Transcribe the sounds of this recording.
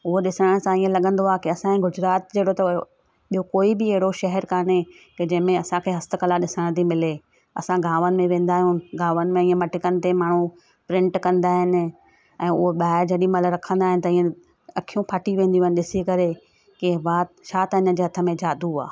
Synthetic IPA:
ʊɦoɗɪsəɽəɽ̃sãiːə̃lɐɠə̃nd̪oaːkɪɐsãĩɡʊd͡ʑɾaːt̪̚d͡ʑeːɽot̪ɐ | ɓijokoːibɪɐɦɪɽoʃɐɦɛɾkaːne | ked͡ʑɐ̃ɦɪ̃mẽɐsãkʰeːɦɐst̪əkəlaɗɪsəəɽ̃t̪ʰimɪle | ɐ̰sãɡʱaːʋənɪ̆mẽʋẽːn̆d̪aːɦijũɡaːʋənɪ̆mẽiːə̃mɐʈɪkənɪ̆t̪emaːɳ̤ũ | pɾɪ̃ɳʈkɐ̃nd̪aːɦɪnɪ̆ | ɛ̃ːʊɦoɓaːɪd͡ʑɐɗimɐlɾɐkʰə̃nd̪aːɦɪ̃nɪ̆t̪ɐĩːẽ | ɐkʰijũpʰaːʈiʋẽːnd̪ij̃ɦɪnɪɗɪsikɐɾe | kɪʋaːt̪ʃaːt̪ɐɲə̃d͡ʑeːɦɐt̪ʰə̆mẽd͡ʑaːd̪ua̰ː

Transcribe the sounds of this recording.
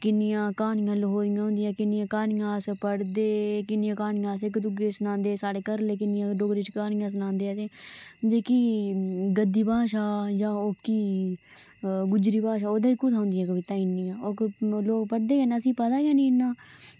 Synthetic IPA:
kɪnɪjãːkaːɳɪjãːlɦoːɪjãːɦʊ̃nd̪ɪjãːkɪnɪjãːkaːnɪjãːspəɽd̪eːkɪnɪjãːkaːɳɪjãːs̬ekəd̪ʊɡeːsənãːnd̪eːsaːɽeːkəɾleːkɪnɪjãːɖoːɡɾɪt͡ʃkaːnɪjãːs̬ənãːnd̪eːaseːd͡ʒeːkiːɡəd̪ːiːbaːʃaːjãːokiː | ɡʊd͡ʒɾiːbaːʃaːoːd̪aːiːkʊt̪ãːnd̪ɪjãːkəbɪt̪aːɪnijãːoːkloːkpəɽd̪eːanəsĩːpət̪aːijãːnĩːɪnːãː

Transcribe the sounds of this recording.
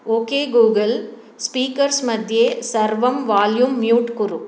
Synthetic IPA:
oːkeːɡuːɡɐl | spiːkɐɾsmɐd̪ʱjeːsɐɾʋɐmʋaːljumːjuːʈkʊɾu

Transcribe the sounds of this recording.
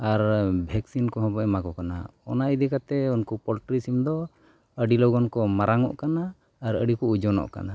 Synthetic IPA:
aɾbʱɛksinkɔɦɔ̃bɔɛmakɔkana̰ɔ̰naid̪ɛkat̪ɛunkɔpɔlʈɾisimd̪ɔ | əɖilɔɡɔnkɔmaɾaŋɔ̰ʔkanaː | ɾə̰ɖikɔud͡ʒɔnɔ̰ʔka̰na

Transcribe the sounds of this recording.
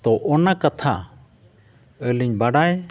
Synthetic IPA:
t̪ɔʔɔnakat̪ʰa̰ | əliɲbaɽaj

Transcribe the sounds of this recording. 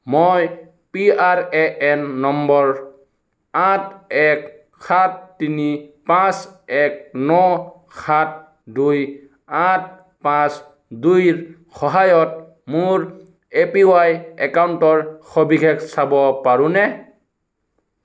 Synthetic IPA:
moj | piaɹɛʔɛnːɔmbɔɹ | atɛk | xatːinipãsɛk̚nɔ | xʰat̚ | duj | at̚ | pãs | dujɹ | xɔɦajɔt̚ | muɹ | epiwajɛkawntɔɹxɔbiɡʰɛksabɔpaɹũnɛ

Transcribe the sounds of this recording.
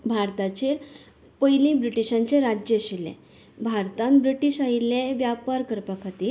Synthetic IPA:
bʱaɾt̪at͡ɕeːɾ | pəjlĩbɾiʈiɕãɲt͡ɕeɾad͡ʑjəɕilḛ̃ | bʱaɾt̪ãmbɾiʈiːɕaileʋjapaɾkəɾpəkʰat̪iːɾ

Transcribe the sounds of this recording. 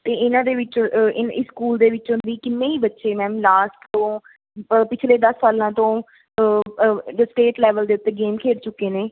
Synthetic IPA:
t̪eːɪnãːd̪eːʋɪt͡ʃɪnɪskuːld̪eːʋɪt͡ʃɦʊnd̪iːkɪmːẽːiːbətːʃeːmɛ̃ːmlaːsʈt̪õː | pɪt͡ʃʰleːd̪əsːaːlãːt̪õː | əsʈeːʈlɛːʋəld̪eːʊt̪ːeːɡeːmkʰeːɾt͡ʃʊkːeːneː

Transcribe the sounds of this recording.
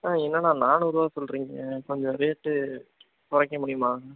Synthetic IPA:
aːɛnːɐnãːnaːnʊɾʊʋaːɐsɔlɾiːŋɡẽkɔɲd͡ʒɔ̃ɪɾɐjɐʈːɯ | pɔɾɐkːɐmʊɽɪjʊmaːŋɐ

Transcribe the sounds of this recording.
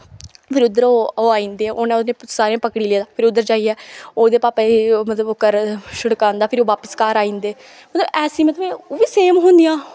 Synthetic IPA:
pʰɪɾʊd̪əɾoːoːaːĩːnd̪eːʔoːnɛ̃ːʊnẽːsaːɾeãːpəkɽiːleːd̪aːpʰɪɾʊd̪ːəɾd͡ʒaːiːɛːoːd̪eːpaːpemət̪ləboːkəɾʃʊɽkãːnd̪aːpʰɪɾoːʋaːpəskaːɾaːĩːnd̪eː | mət̪ləbɛːsĩːmət̪əbẽoːʋiːseːmɦõːnd̪ijãː

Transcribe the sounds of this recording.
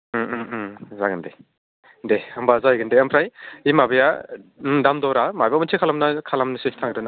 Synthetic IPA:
zaɡɯnde | deɐmbazajɡɯndeɐmpʰɾajimabɯja | damdɔwɾamajbamɯntʰikʰalamnakʰalamnɯsestʰaŋɡɾɯna

